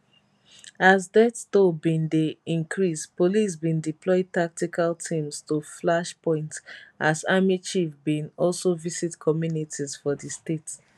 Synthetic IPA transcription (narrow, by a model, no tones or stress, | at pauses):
azdɛttobĩndeĩŋkʰɹispolis̬bĩndiplɔɪd̚tak̚tikʰaltʰĩmstuflaʃpʰɔ̃ɪ̃ntʔazamit͡ʃifbĩnɔlsovisitkʰɔmjunitʰizfɔðistet